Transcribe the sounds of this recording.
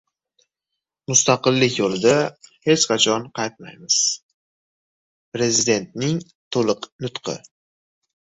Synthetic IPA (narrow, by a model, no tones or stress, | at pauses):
mʊst̪ɑqɨlˠːɪkʲjolɪd̪ahe̞t͡ʃqʰɑt͡ʃʰɒnqʰɑjt̪̚ma̰jmɪz̥ | pɾe̞zɪd̪e̞nt̪nɪŋ | t̪ʰolˠɨqnʊt̪qʰɨ̰